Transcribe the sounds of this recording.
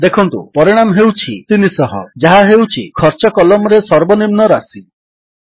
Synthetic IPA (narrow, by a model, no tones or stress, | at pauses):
d̪ekʰɔnt̪ṵpɔɾiɽ̃amɔɦewt͡ʃʰit̪inisɔɦɔd͡ʒaɦaɦewt͡ʃʰikʰɔɾt͡ʃɔkɔlɔmɔɾesɔɾbɔnimnɔɾasi